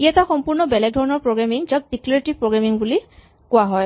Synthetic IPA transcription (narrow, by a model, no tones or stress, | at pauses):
iataxɔmpuɹnɔbɛlɛɡ̚dʱɔɹɔnɔɹpɹoɡɹamiŋzak̚dikleɹʈipɹoɡɹamiŋbuli | kʊwaɦɔj